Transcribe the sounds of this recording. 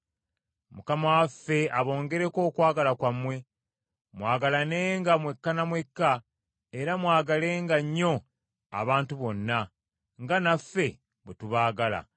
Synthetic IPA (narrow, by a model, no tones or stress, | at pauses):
mukamawafːe̞aβo̞ːŋɡe̞ɾe̞ko̞ːkwaːɡalakwamwe̞ | mwaːɡalane̞ːŋɡamwe̞kːanamwe̞kːa | eɾamwaːɡale̞ːŋɡaɲːo̞ | a̰βaːntuβo̞nːa | ŋɡanafːe̞ | βwetuβaːɡala̰